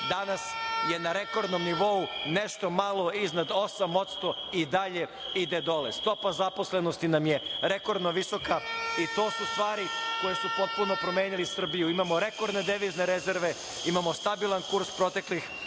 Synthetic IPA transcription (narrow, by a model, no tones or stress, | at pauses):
d̪anasje̞naɾe̞ko̞ɾd̪no̞mniʋo̞une̞ʃt̪o̞malˠo̞iznad̪o̞samo̞t̪st̪o̞id̪aʎe̞id̪e̞d̪o̞lḛst̪o̞pazapo̞sle̞no̞st̪inamje̞ɾe̞ko̞ɾd̪noʋiso̞kait̪o̞ːsust̪ʋaːɾiko̞jesupo̞t̪̚puno̞pɾo̞me̞ːnilisr̩bijuimamo̞ɾe̞ko̞ɾd̪ne̞d̪eʋizne̞ɾezeɾʋe̞ | imamo̞st̪abilˠankuɾspɾo̞t̪e̞klix